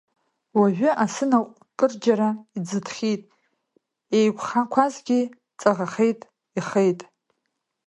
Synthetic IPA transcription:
waʒᶣʏʔasɨnaqʷʼ | kʼɨrd͡ʒaɾaid͡zɨdʰχʲitʼ | ejkʷχankʷʰazɡʲi | t͡sʼaʁaχe̞jtʼ | iχejtʼ

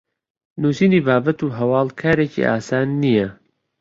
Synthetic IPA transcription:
nuːsiːniːbaːbɐt̪uːɦɐwɑːlkʰaːɾeːcḭʔa̰ːsaːnːijɐ

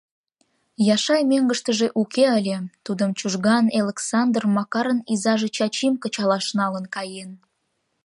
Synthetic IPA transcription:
jɑʃɑjmeŋɡəʃt̪əʒeʔukeəlʲet̪ud̪əmt͡ɕuʒɣɑneleksɑnd̪rmɑkɑɾənizɑʒet͡ɕɑt͡ɕimkə̆t͡ɕɑlɑʃnɑlənkɑjen

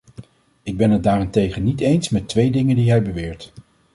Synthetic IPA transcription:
ɪɡ̚bɛnɦəd̚daːrɛntejχənitejnsmɛtʋejdɪŋəndiɦɛjbəʋɪːɹt

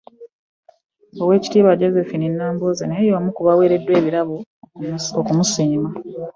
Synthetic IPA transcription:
owe̞ːci̥tiːβaɟo̞zefininːaːmboːzenejowamukuβawe̞ːɾe̞dːwe̞ːβiɾaβo | okumusiːma

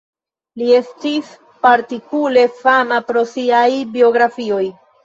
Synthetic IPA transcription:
lie̞stis | paɾtikule̞fanapɾo̞siajbio̞ɡɾafio̞j

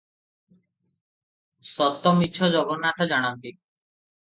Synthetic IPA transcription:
sɔt̪ːɔmitːʃʰɔd͡ʒɔɡɔnːat̪ʰɔd͡ʒaɽ̃ant̪i

